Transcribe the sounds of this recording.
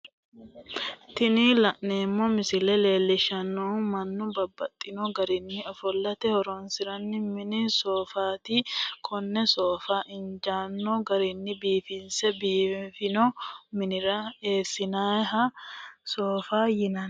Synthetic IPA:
t̪ɪnilɐʔneːmːɔmɪsɪlɛle̞ːlːɪʃɐnːoːnmɐnːʊbɐbːɐt̪ʼːɪnɔɡɐɾɪnːɪɔfɔlːɐt̪ɛhɔɾɔnsɪɾɐnːɪmɪnɪsoːfaːt̪ɪkʰɔnːɛsoːfaːʔɪnd͡ʒaːnːɔɡɐɾɪnːɪbiːfɪnsɛbiːfɪnɔmɪnɪɾɐe̞ːsːɪnaːjɦɐsoːfaːjɪnɐn

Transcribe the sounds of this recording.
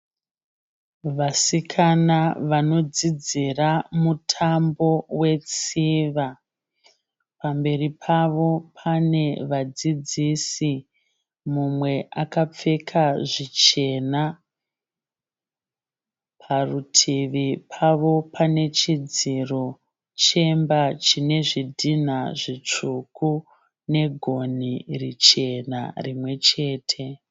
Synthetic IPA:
ʋasikʰanaʋano̞d͡zid͡ziramutʰambo̞we̞t͡siʋa | pambe̞ripʰaʋo̞pʰane̞ʋad͡zid͡zisi | mumwe̞ʔakap͡fe̞kʰaʐit͡ʃe̞na | pʰarutʰiʋipʰaʋo̞pʰane̞t͡ʃid͡ziro̞ | t͡ʃe̞mbat͡ʃine̞ʐidʱinaʐit͡ʂuku | ne̞ɡʱo̞nirit͡ʃe̞na̰rimwe̞t͡ʃe̞ːtʰe̞

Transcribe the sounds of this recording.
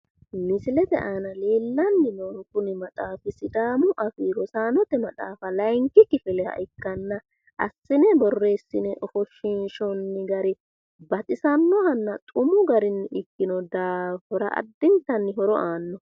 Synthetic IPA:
mɪsɪlɛd̪ɛ̰ʔaːnɐle̞ːlːɐnːɪnoːŋkʊnɪmɐt̪ʼaːfɪsɪd̪aːmʊʔɐfiːɾɔsaːnɔt̪ɛmɐt̪ʼaːfɐlɐjŋkɪkɪfɛlɛhɐ̰ʔɪkːɐnːɐ | ʔɐ̰sːɪnɛbɔrːe̞ːsːɪnɛʔɔfɔʃɪnʃɔnːɪɡɐɾɪ | bɐt̪ʼɪsɐnːɔhɐnːɐt̪ʼʊmʊɡɐɾɪnːɪɪkːɪnɔd̪aːfɔɾɐ̰ʔɐ̰d̪ːɪnt̪ːɐnːɪɦɔɾɔʔaːnːɔ

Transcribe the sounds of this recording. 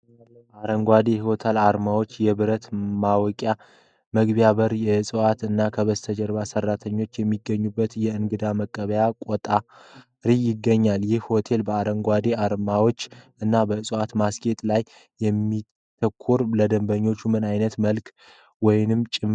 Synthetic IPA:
aɾəŋɡʷad̪e̞hiwot̪ʰalaɾmawo̞t͡ʃːjɛβɨɾət̪mawɔkʼja | məɡbjaβəɾjɛsʼɨwat̪ɨnːakʰəβəzt̪ʰəd͡ʒəɾβasərːat̪ʰəɲːo̞t͡ʃːjɛmːiɡːəɲːubːət̪jɛɨnɡɨd̪aməkʼːəβəjakʷʼɔt̪ʼa | ɾijɪɡːəɲːaljɪhho̞t̪ʰe̞lbəaɾəŋɡʷad̪e̞aɾmawo̞t͡ʃːʔɨnːabəsʼəwat̪masɡe̞t̪ʼlajː | ɛmːi | t̪ʰəkʰːuɾləd̪əmbəɲːo̞t͡ʃːumɨnajnət̪məlk | wɔjnɨmt͡ʃʼɪm

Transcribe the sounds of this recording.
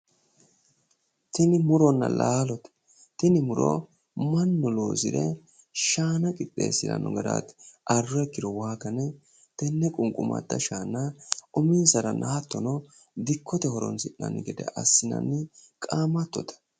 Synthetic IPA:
t̪ɪnɪmʊɾɔnːɐ̰lʔaːlɔt̪ | t̪ɪnɪmʊɾɔ̰ | mɐnːɔloːsɪ̰d̪ɛ | ʃaːnɐkʼɪt̪ʼːḛːsːɪd̪ɐ̰nɔɡɐd̪a̰ːt̪ʔɐrːɔɛkːɪɾɔwaːkɐnɛ | t̪ɛnːɛkʼʊŋkʼʊmɐ̰t̪ːɐʃaːnɐʔɔmiːsɐɾɐnʔɐhɐt̪ːɔnɔ | d̪ɪkʰːɔt̪ɛhɔɾɔ̰nsɪʔːɐ̰nːɪɡɛd̪ɛ̰ʔɐsːɪnɐ̰nːɪkʼaːmɐt̪ːɔt̪ɐ̥

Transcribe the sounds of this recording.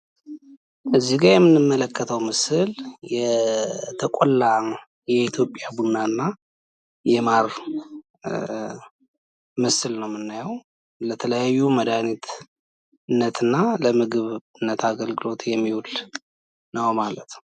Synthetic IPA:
ʔɨzːiɡajɛmːɨnːɨmːələkʰːət̪ʰəwmɨsɨljɛ | t̪ʰəkʼolːa | jɛit̪ʰjo̞pʼjabunːanːa | jɛmaɾ | mɨsɨlnəwmɨnːajəw | lət̪ʰələjajːuməd̪anit̪ | ɨnːət̪ʰɨnːaləmɨɡɨβɨnːət̪ʰaɡəlɡɨlo̞t̪jɛmːihul | nəwmalət̪

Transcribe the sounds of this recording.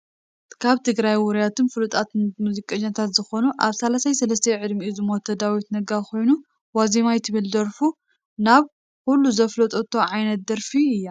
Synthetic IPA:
kʰaβt̪ʰɨɡɾajwʊɾijat̪ʰɨnfɨlut̪ʼat̪muzikʼːɐɲat̪ʰat̪zɨxo̞nuʔaβsalasajsɐlɐs̬t̪ʰɐʕɨd̪miʔuzɨmot̪ʰːɐd̪awit̪nɐɡakʰo̞jnu | wazimajt̪ʰɨβɨlzɐɾfu | naβ | kulːuzɐflɐt̪ʼot̪ʰːoʕajnɐt̪̚d̪ɐɾfiɨjːa

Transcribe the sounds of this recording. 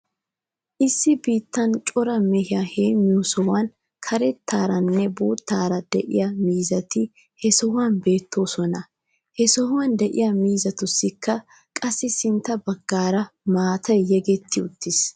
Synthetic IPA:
ʔɪsːɪbiːt̪ːɐnt͡ʃʼɔɾɐmɛhɪjɐheːmːɪjʊsɔhɐn | kʰɐɾɛt̪ʰːaːɾɐnːɛboːt̪ːaːɾɐd̪̥ɛ̰ʔɪ̰jɐmiːzɐt̪ɪ | hɛsɔhwɐnbe̞ːt̪ʰːo̞ːsɔnɐ | hɛsɔhʊwɐnd̪ɛʔɪ̰jɐmiːzɐt̪ʊsːɪkːɐ | kʼɐsːɪsɪnt̪ːɐbɐɡːaːɾɐmaːt̪ɐjjɛɡɛt̪ʰːɪʊt̪ːɪs

